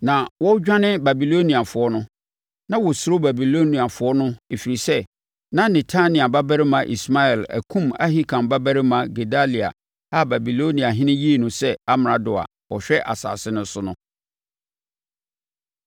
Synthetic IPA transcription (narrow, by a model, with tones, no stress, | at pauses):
nã˨wɔ˦d͡ʑᶣã˦nɪ̃˦ba˨bi˨lo˦nĩ˨a˨fʊ˨˦ɔ˦nʊ̃˦ | nã˦wɔ˨sʊ˨ɾo˦ba˨bi˨lo˦nĩ˨a˨fʊ˨ɔ˦nʊ̃˦e˨fi˨ɾi˨sɛ˦ | nã˦nɛ̃˨tʰa˦nɪ̃˨a˨ba˦bæ˦ɾɪ˦mã˨ʔḭ˨sma˦ɛ˨læ̰˨kʰũ˦ma̰˦ɦi˦kʰã˨mba˦bæ˦ɾɪ˦mã˨ɡe˨da˦li˨a̰˨ | a˦ba˨bi˨lo˦nĩ˨a˨ɦɪ̃˦nɪ̃˦ji˦e˦˨nʊ̃˨sɛ˦a˦m˨ɾa˨dʊ˨a̰˨ | wɔ˨ɕᶣɛ˦ʔa̰˨sa̰ː˨sɪ˦nʊ̃˦sʊ˦nʊ̃˦